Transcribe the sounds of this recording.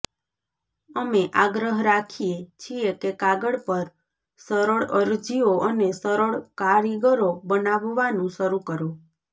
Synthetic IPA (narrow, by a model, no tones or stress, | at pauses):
əmeʔaɡɾəɦɾakʰiet͡ʃʰiekekaɡəɽpəɾ | səɾəɭəɾd͡ʒioʔənesəɾəɭkaɭiɡəɾobənaʋʋanũʃəɾukəɾo